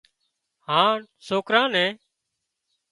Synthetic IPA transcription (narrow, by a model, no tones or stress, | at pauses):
ɦãːn | soːkɾãːnɛ̃ː